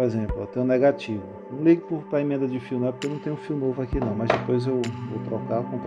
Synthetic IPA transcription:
ezẽplʊewt̪ẽɲ̃nɛɡat͡ʃivʊnɐ̃liɡʊpʊɾpɾɐemẽnd̪ɐd͡ʒɪfiwnɔvpʊkewnɐ̃w̃t̪ẽɲ̃ũfiwnovʊakinɐ̃w̃mɐzd̪epojzewvo̰wt̪ɾɔkakõt̪

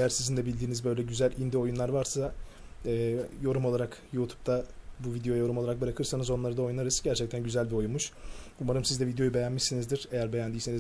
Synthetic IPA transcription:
ejæɾsizind̪ɛbilʲd̪iːnizbø̞jlʲɛɟyzælʲind̪io̞junlˠaɾvaɾsa | ɛːjo̞ɾumoaɾakjuːt̪ʰu̥p̚t̪ʰabuvid̪ejojajo̞ɾumo̞lˠaɾak̚bɯɾakʰɯɾsanɯzo̞nlˠaɾɯd̪ao̞jnaɾɯz̥ɟæɾt͡ʃʰɛc̚t̪ʰænɟyzælʲbio̞junmuʃumaɾɯmsizd̪ɛvid̪ejo̞jube̞jænmiʃsinizd̪iɾ̥e̞jæɾbe̞jænd̪ijseniz

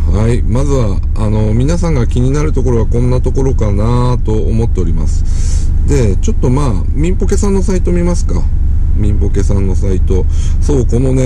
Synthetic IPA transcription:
haimazɨβaː | no̞mʲinasãŋɡakʲiɲ̟inaɾɯ̟t̪o̞ko̞ɾo̞βakõ̞nːat̪o̞ko̞ɾo̞kana | t̪o̞omo̞t̪ːe̞o̞ɾʲima̰sɨ̥ | d̪e̞ | t͡ɕo̞t̪ːo̞maː | mʲĩmpo̞ke̞sãnːo̞sait̪o̞mʲimasɨ̥ka̰ | mʲĩmpo̞ke̞sãnːo̞sait̪o̞ | so̞ːko̞no̞ne

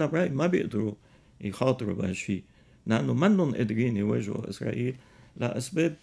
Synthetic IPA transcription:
abɾˤɑʔimabjɪ̰ʔd̪ɾu | jxɑːt̪ˤɨɾubaʃiː | laʔanːʊmanːʊnʔɪ̰d̪ɾiːniweːʒa̰ʔɪ̰sɾˤɑ̰ʔiːllʔa̰ʔasbeːb̚

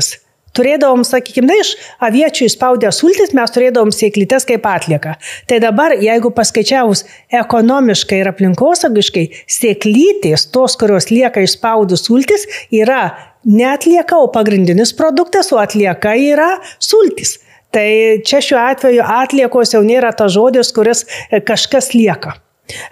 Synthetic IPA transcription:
s | t̪ʊɾʲeːd̪ɐʋoːmsɐkʲiːkʲɪmnɐɪʃɐʋʲiɛt͡ʃʲuːɪʃspɐʊd̪ʲɛsuːlʲt̪ʲɪsmʲɛst̪ʊɾʲeːd̪ɐʋoːmsʲeːklʲiːt̪ʲɛskɐɪpɑːt̪ʲlʲiɛkɐt̪ɐɪd̪ɐbɐrjɛɪɡʊpɐskɐɪt͡ʃʲæːʋʊs | ɛkoːnoːmʲɪʃkɐɪɪɾɐpʲlʲɪŋkoːsɐʊɡʲɪʃkɐɪsʲeːklʲiːt̪ʲeːst̪oːskʊɾʲoːslʲiɛkɐɪʃspɐʊd̪ʲʊsuːlʲt̪ʲɪsiːɾɐ | nʲɛɐt̪ʲlʲiɛkɐoːpɐɡɾʲɪnʲd̪ʲɪnʲɪspɾoːd̪ʊkt̪ɐsoːɐt̪ʲlʲiɛkɐiːɾɐsuːlʲt̪ʲis | t̪ɐɪt͡ʃʲɛʃʲuːɑːt̪ʲʋʲɛjʊʔɑːt̪ʲlʲiɛkoːsjɛʊnʲeːɾɐt̪ɐsʒoːd̪ʲɪskʊɾʲɪskɐʃkɐslʲiɛkɐ

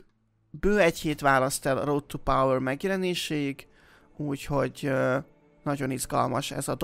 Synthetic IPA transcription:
bøːɛcheːt̪ʋaːlɒst̪ɛlrot̪ːupawɛrmɛɡjɛlɛneːʃɛjiɡ | uːcho̞ɟ | nɒɟo̞nizɡɒ̰lmɒʃɛ̰zɒd̪

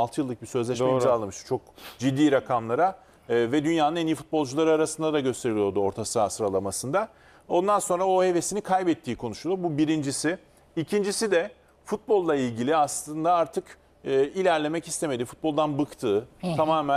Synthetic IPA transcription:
lˠt̪ʰɯjɯlˠːɯk̚bisø̞zlʲɛʃealˠɯmɯʃt̪u̥t͡ʃʰo̞k̚d͡ʒid̪ːiːɾakʰamlˠaɾa | vɛd̪ynjaːnɯneniːifut̪̚bo̞lˠd͡ʒulˠaɾɯaɾasɯnd̪ad̪aɟø̞st̪ʰe̞ɾilʲijo̞ɾd̪uo̞ɾt̪ʰasɯasɾalˠamasɯnd̪a | o̞nd̪anso̞nɾaohevesinikʰajbɛt̪ʰːiːkʰo̞nuʃulʲˠobubiɾind͡ʒisɪ | icʰind͡ʒisid̪ɛ | fut̪̚bo̞lˠːailʲɟilʲiaslˠɯnd̪aaɾt̪ʰɯk | ɯːilʲæɾlʲe̞mɛcist̪ʰe̞me̞d̪ifu̥t̪̚bo̞lˠd̪anbɯkt̪ʰɯːamaːmɛ

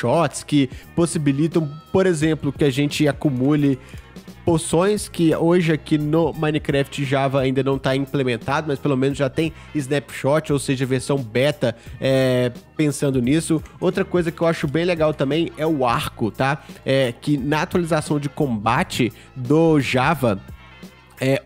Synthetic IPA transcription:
ʃɔt͡ʃskɪposibilit̪ɐ̃w̃poɾezẽmplʊkɪaʒẽnt͡ʃɪakumulɪpoɾsõj̃skɪoʒɪɐkinʊmɐ̃jnɪkɾɛft͡ʃɪʒavɐaĩnd̪ɐnɐ̃w̃t̪aĩplemẽnt̪ad̪ʊmɐspelomẽnʊzʒat̪ẽj̃ | ɪznɛpʃɔt͡ʃɪowseʒɐveɾsɐ̃w̃bɛt̪ɐɛpẽsɐ̃nd̪ʊnisʊowt̪ɾɐkojzɐkɪewaʃʊbẽj̃leɡawt̪ɐ̃mbẽj̃ɛʊaɾkʊt̪aɛkɪnɐat̪ualizasɐ̃w̃d͡ʒɪkõbat͡ʃɪ | d̪ʊʒavɐ | ɛ

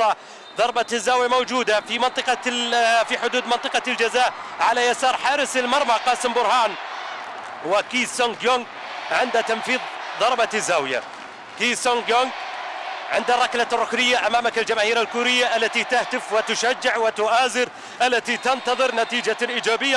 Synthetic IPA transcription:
ɑ | ðˤɑɾˤbat̪azːaːwjamawd͡ʒuːd̪afimɪnt̪ˤɨqɑfiħʊd̪uːd̪mɪnt̪ˤɨqɑld͡ʒazaːʔʕalajasɑːɾˤħɑːɾɪsɪlmɑɾˤmaqɑːsɪmbʊɾhaːn | wɪkiːsoŋɡjoŋɡ | ʕɪnd̪at̪anfiːðˤðˤɑɾˤbat̪ɪzːaːwɪja̰ | kiːsoŋɡjoŋɡ | ʕɪnd̪arˤːɑklarˤːʊkɾɪjːaʔamaːmakɪld͡ʒamaːhiːɾalkuːɾɪjːaʔalːat̪it̪aht̪ɪfwɪt̪ʊʃad͡ʒːɪʕwɪt̪ʊʔaːzɪɾ | ʔalːat̪it̪ɪnt̪ɑðˤɨɾnat̪iːd͡ʒalʔiːd͡ʒaːbɪjːa

